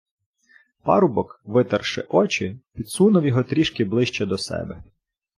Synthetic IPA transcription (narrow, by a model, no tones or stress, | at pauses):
pɑ̰ɾʊbɔkʋɪt̪ɐrʃɪ̰ʔɔt͡ʃɪpʲid̪sunɐwjɔɦɔt̪ɾʲiʃkɪblˠɪʃt͡ʃɛd̪ɔsɛ̰bɛ